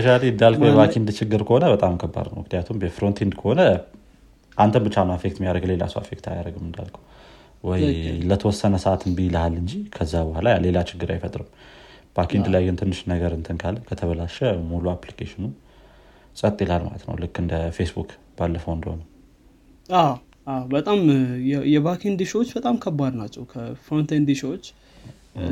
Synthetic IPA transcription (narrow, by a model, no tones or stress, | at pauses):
əʃad̪iɨd̪ːalkʰəwjbakʰind̪t͡ʃɪɡːɨɾkʰəho̞nəbət̪ʼamkʰəbːa̰d̪nə̰wɨkʰnjat̪ʰumbəfɾo̞nt̪ʰend̪kʰəho̞nə | ʔant̪ʰənbɨt͡ʃːanəafek̚t̪mijaɾəɡlela̰sua̰fekt̪ʰa̰jaɾəɡɨmɨnd̪a̰lkʰəw | wɔjlət̪ʰəwɔsːənəsəʔat̪ʰɨnbijləhalːɨɲd͡ʒikʰəzːabəhalajale̞lat͡ʃɪɡːɨɾa̰jfət̪ʼɾɨmb̥akʰind̪lajɡɨnt̪ʰɨnːɨʃnəɡəɾɨnt̪ʰɨnkʰalːkʰət̪ʰəβəlaʃɛmuluaplikʰeʃɪnu | sʼət̪ʼːilalma̰lə̰t̪nə̰wlɨkːɨnd̪əfesbuk | b̥alːəfəwɨnd̪əhonə | a | awbət̪ʼamjɛβakʰind̪ʃwot͡ʃːbət̪ʼamkʰəbad̪nat͡ʃːɛwkʰəfɾont̪and̪iʃwot͡ʃː